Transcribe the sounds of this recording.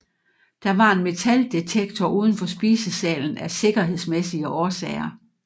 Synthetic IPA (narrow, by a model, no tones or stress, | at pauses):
d̥ɑ̈ʋɑ̈e̝nme̝t͡sʰæld̥et͡sʰeɡ̥t͡sʰɒʔuːð̞ˠn̩fɒ̽sb̥ḭːsəsɛ̰ːln̩æse̝ɡ̥ɐɦe̝ð̞̰ˠsmesiəʔɒːsɛ̰ːɪɐ